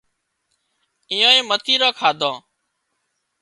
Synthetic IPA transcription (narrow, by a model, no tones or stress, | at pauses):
ɪjõːĩːmət̪ʰiːɾoːkʰaːd̪ʱõː